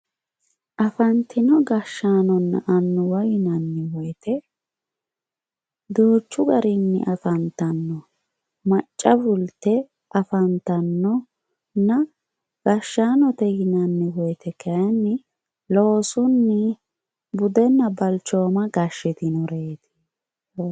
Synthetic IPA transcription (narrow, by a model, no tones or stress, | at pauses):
ʔɐfɐnt̪ɪnɔɡɐʃːaːnɔnːɐ̰ʔɐnːʊwɐjɪnɐnːɪwɔjt̪ʰɛ | d̪uːt͡ʃːʊɡɐɾɪnːɪ̰ʔɐfɐnt̪ɐnːɔ | mɐt͡ʃʼːɐbʊlt̪ːɛ | ʔɐfɐnt̪ɐnːɔ | nːɐ | ɡ̥ɐʃːaːnɔt̪ɛɡɪnɐnːɪwɔjt̪ʰɛkʰɐjɐnːɪ | lo̞ːsʊnːɪ | bʊd̪ɛnːɐbɐlt͡ʃːo̞ːmɐɡɐʃːɪt̪ɪnɔɾeːt̪ɪ̥